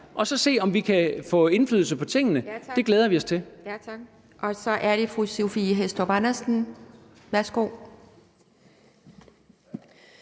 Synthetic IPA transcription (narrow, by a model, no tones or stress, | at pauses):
ʔɒ̽sɒ̽se̝̰ːɒ̽mʋikʰæfɔ̰̽ːe̝nflyːðˠl̩səpʰɒ̽t͡sʰe̝ŋ̰nəd̥e̝ɡ̥leːð̞ˠɐʋiɒ̽st͡sʰe̝lj̥ʰ | ʔɒ̽sɒ̽ʔæɐɾ̥e̝fʁusofiɦesd̥ɒb̥ɑnɐsn̩ | ʋæɐsɡ̥o̝̰ː